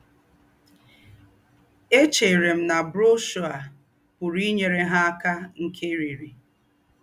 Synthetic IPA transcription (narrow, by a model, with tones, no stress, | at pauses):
e˦t͡ʃe˨ɾe˨m̩˦na˨bɾo˦ʃo˨a˨ | pʊ˨ɾi˦ɲe˨ɾe˦ɦa˦a˦ka˦ŋ̩˨kʰe˦ɾi˨ɾi˨